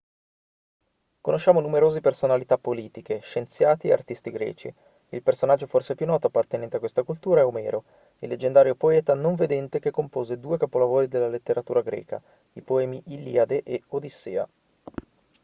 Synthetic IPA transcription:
konoʃːaːmonumeɾoːzepersonalit̪apːoliːt̪ikeʃent̪sjaːt̪iḛa̰rt̪ist̪iɡɾɛ̰ːt͡ʃḭ | ilpersonad͡ʒːoforseɛpjunːɔːt̪oapːart̪enɛnt̪eakwest̪akult̪uːɾaɛomɛːɾo | ilːed͡ʒːend̪aːɾjopoɛːt̪anoɱved̪ɛnt̪ekekːompoːzed̪uːekapolavoːɾid̪elːalet̪ːeɾat̪uːɾaɡɾɛ̰ːka̰ | ipoɛːmiʔilḭad̪eʔeod̪isːḛːa̰

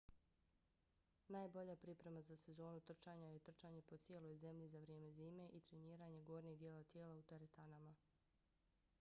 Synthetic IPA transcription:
naːjbo̞ʎapɾipɾe̞mazase̞zo̞ːnut̪r̩t͡ʃaːɲajet̪r̩t͡ʃaːɲe̞po̞t̪sjeːlo̞jze̞mʎizaʋɾje̞ːme̞ziːme̞ʔit̪ɾeniːɾaːɲe̞ɡo̞ːɾnieɡd̪jeːlˠat̪jeːlaut̪eɾet̪anama

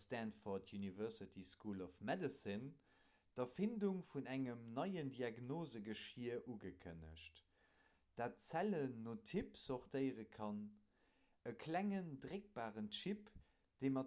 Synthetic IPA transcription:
stæntfɔtʰjunivɜʁsɪtʰiskulɔfmɛdəsən | d̥ɐfinduŋfunæŋəmnɑɪəndiaɡnoːzəɡəʃiəʔuɡəkʰə̰nə̰ʃt | d̥aːt̚t͡sælənːoːtʰipsɔʁtəɪʁəkʰɑn | əkʰlæŋəndʁek̚b̥aːʁənʃip | d̥eɪmɑ

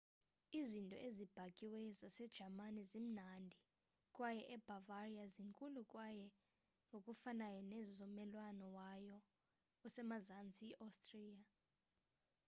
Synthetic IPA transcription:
izintʼɔ̰ʔezib̥ʱakʼiwɛzasɛd̥ʒ̥ʱamanizim̩nandʱi | kʼwajɛʔɛb̥ʱavariaziŋkʼulukʼwajɛ | ŋɡʱokʼufanajɔnɛzɔmɛlwanɔwajɔ | ɔsɛmazant͡sʼiiʔastʼriːa

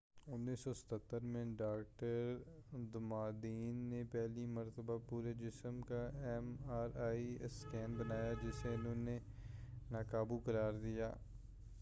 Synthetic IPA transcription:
ʊnːiːsɔsɐ̥t̪ʰət̪ːəɾmẽɖaːk̚ʈəɾd̪ʊmaːd̪iːnːepɛːlimɐɾt̪əbapuːɾed͡ʒɪsəmkaɛmaːɾaːiskɛːnbənaːjad͡ʒɪseʊnɦõːne | naːkaːbukəɾaːɾd̪ija̰ː

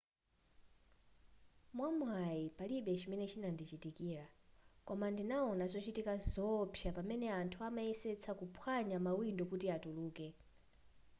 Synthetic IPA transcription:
mwamwajipaliɓɛt͡ʃʰimɛnɛt͡ʃʰinandit͡ʃitikiːɾakɔmandinaɔnazɔt͡ʃitikazɔpʰjapamɛnɛantʰuamaɛsɛt͡sʰakupʰwaɲamawindɔkutiatuluːkɛ

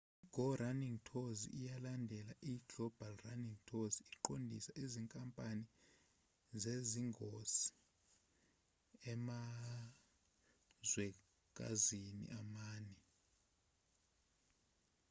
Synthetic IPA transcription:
iɡ̥ʱɔraniŋtʰozḭijalandʱɛlaʔiɡ̥ʱɔb̥ʱalraniŋtʰoziːǃondʱḭsaʔiziŋkʼampʼani | zeziŋɡʱosi̥ | ɛma | zwɛ | kʼa̰zinḭʔamaːnɛ

